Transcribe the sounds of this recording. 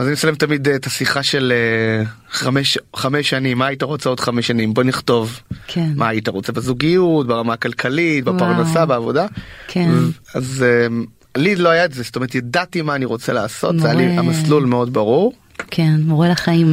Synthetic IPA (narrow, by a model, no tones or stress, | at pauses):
azanisalemt̪amidtasiχaʃe̞le | ameʃχameʃanimːaːitaʁo̞t͡seo̞dχameʃanimbo̞niχto̞vkʰmaːjitaʁo̞t͡sebazuɡijutbeʁamaakalkʰalitbepaʁnasabeavo̞dakaze | alidloajaetzest̪omeet̪jadatimaːniʁo̞t͡selaːsot̪zzajaliamaslulmeo̞dbaʁuʁ | kʰenʁoelɐχaim